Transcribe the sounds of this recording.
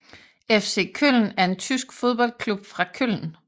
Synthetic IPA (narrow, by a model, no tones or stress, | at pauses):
efse̝̰kʰøl̰n̩æɐe̝nt͡sʰysɡ̥fo̝ð̞ˠb̥ɒ̽l̰dkʰlub̥fʁɑ̈kʰøl̰n̩